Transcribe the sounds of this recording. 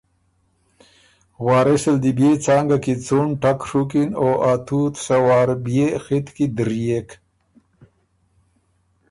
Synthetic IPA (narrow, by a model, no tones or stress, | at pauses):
waːɾeseld̪ibjet͡saːŋɡakit͡suɳʈakʂukinoʔat̪ʰut̪sawaːɾbjexit̪kid̪ɾijek